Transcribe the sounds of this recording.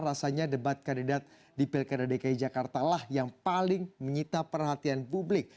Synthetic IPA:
ɾasaɲadəbat̪̚kandidat̪̚ | dipɪlkadadekaid͡ʒakart̪alahjaŋpalɪŋməɲit̪apərɦat̪ianpublɪk̚

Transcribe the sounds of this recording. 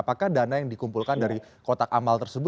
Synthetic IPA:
pakahdanajaŋdikumpulkandaɾi | kot̪akamalt̪ərsəbʊ

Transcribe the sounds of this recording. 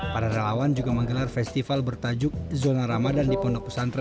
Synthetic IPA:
paɾaɾalawand͡ʒuɡaməŋɡəlarfɛst̪ifalbərt̪ad͡ʒʊk̚zonaɾamadandipɔndɔk̚pə̥sanr

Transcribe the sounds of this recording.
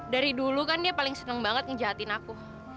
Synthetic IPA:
daɾidulukandiapalɪŋsənəŋbaŋət̪̚kəd͡ʒaɦat̪ɪnaku

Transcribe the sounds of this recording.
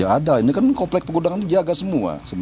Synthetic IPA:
aadainikankɔplɛk̚pəɡudaŋant̪ud͡ʒaɡasəmua̰səm

